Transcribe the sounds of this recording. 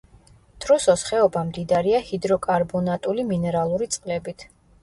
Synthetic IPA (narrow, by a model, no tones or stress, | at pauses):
d̪̥ɾɔsɔsχɛɔbamd̪id̪aɾiahid̪ɾɔkʼaɾbɔnat̪ʼuliminɛɾalˠuɾit̪sʼqʼlɛbit̪ʰ